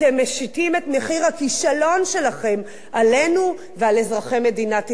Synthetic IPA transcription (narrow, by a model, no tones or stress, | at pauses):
temːeʃitime̞t̪me̞χiʁhakiʃalo̞nʃe̞laχe̞m | ʔale̞nu | vealezʁaχeme̞d̪inat̪